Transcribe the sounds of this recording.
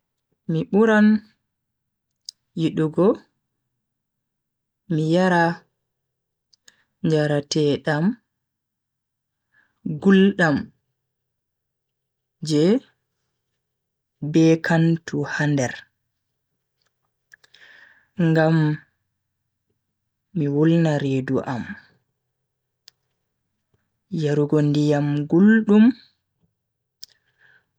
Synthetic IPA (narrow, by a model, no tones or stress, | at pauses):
miɓuɾan | jiɗuɡɔ | mijaɾa | ɲd͡ʒaɾatɛɗam | ɡulɗam | d͡ʒɛ | bɛkʰantʰuhandɛɾ | ŋɡam | iwulnaɾeːduʔam | jaɾuɡɔndijamɡulɗum